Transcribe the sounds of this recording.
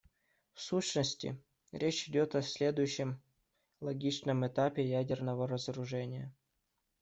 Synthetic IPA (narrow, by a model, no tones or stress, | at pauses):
fsuɕnəsʲtʲɪ̰ | ɾʲet͡ɕɪdʲot̪ɐsʲlʲe̞d̪ʊjʉɕːɪm | lˠɐɡʲit͡ɕnəmɪt̪apʲɪjædʲɪrnəvəɾəzəɾʊʐɛnʲɪjə